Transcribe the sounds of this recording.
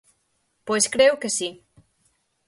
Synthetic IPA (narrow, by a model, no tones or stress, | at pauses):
pojskɾewkesi